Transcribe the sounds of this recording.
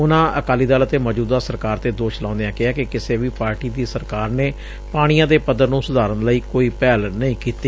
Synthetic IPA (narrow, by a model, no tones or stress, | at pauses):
ʊnãːəkaːliːd̪aːlət̪eːməːd͡ʒuːd̪aːsəɾkaːɾt̪eːd̪oːʃlãːʊ̃nd̪ejãːkɪaːkɪkɪseːʋiːpaːɾʈiːd̪iːsəɾkaːɾneː | paːɽ̃ijãːd̪eːpəd̪ːəɾnũːsʊd̪aːɾənləiːkoːiːpɛːlnəĩːkiːt̪iː